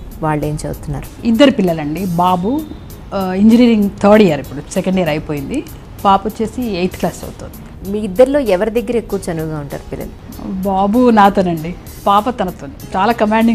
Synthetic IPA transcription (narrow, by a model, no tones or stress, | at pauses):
ʋaːɭːe̞ːmt͡ʃḛbɐt̪unːa̰ːɾuid̪ːɐɾipilːɐlɐɳɖibaːbu | iɲd͡ʒiniːɾiŋɡt̪ʰoːɽijaːɾipːuɽusɛkɐɳɖɛjɐɾɐjpoːjind̪i | paːpɐt͡ʃe̞ːsiejt̪klaːst͡ʃɐ̰but̪ond̪i | miid̪ːɐɾlo̞ːɛʋɐɾid̪ɐɡːɐɾɐekːuʋɐt͡ʃɐnuʋɡaːuɳʈa̰ːɾupilːɐ̰lu | baːbunaːt̪onɐɳɖi | paːpɐt̪ɐnɐt̪ont͡ʃaːlaːkɐmaːɳɖi